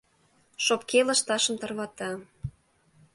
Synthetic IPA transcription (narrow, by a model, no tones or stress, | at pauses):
ʃopkeləʃt̪ɑʃə̆mt̪ɤ̆rβɑt̪ɑ